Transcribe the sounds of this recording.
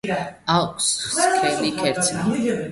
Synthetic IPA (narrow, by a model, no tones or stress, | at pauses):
alsχskʰɾɛlikʰɛɾsʰ